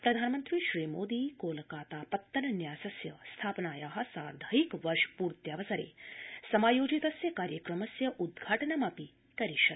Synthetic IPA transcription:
pɾɐd̪ʱaːnmɐnt̪ɾiʃɾiːmoːd̪iːkoːlɐkaːt̪aːpɐt̪ːɐnɐnjaːsɐsjɐst̪ʰaːpɐnaːjaːɦɐ̆saːɾd̪ʱɐikʋɐɾʃpuːɾt̪jaːʋɐsɐɾḛːsɐmaːjoːd͡ʒit̪ɐsjɐkaːɾjɐkɾɐmɐsjɐʔud̪̚ɡʱaːʈɐnɐmaːpi | kɐɾiʃɐt̪

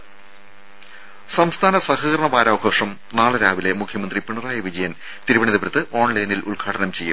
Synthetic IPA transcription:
sɐmst̪ʰaːnɐsɐhɐɣɐɾɐɳɐʋaːɾaːɐɡʰʱoːʂɐm | naːɭɐɾaːʋile̞mukʰjɐmɐnd̪ripiɳɐraːjɐʋid͡ʑɐjɐn | t̪iɾubɐɳiðɐpɾɐt̪ːɨʔo̞ːɳlɐjnilʔulɡʰʱaːɽɐnɐmt͡ɕe̞jːum

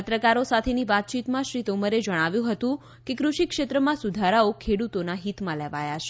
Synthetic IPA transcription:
ət̪ɾəkaɾosat̪ʰeniʋat̪̚t͡ʃit̪mãʃɾit̪oməɾed͡ʒəɽ̃aʋjũɦət̪ũ | kekɾuʃikʃet̪ɾəmãsud̪ʱaɾaokʰeɽut̪onaɦit̪mãleʋajat͡ʃʰe

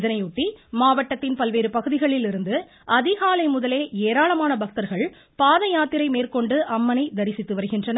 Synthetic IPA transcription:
ðɐnɐɪʊʈːimaːʋɐʈːɐt̪ːɪnpɐlʋeːɾɯpɐɣɯðɪɣɐɭɪlɪɾɯnd̪ɯ | ɐðɪɣaːlɐɪmʊðɐleːeːɾaːɭɐmaːnɐbɐk̚t̪ɐɾɣɐɭ | paːðɐjaːt̪ɪɾɐɪmeːrkɔɳɖɯʔɐmːɐnɐɪd̪ɐɾɪsɪt̪ːɯʋɐɾɯɣɪndrɐnɐ

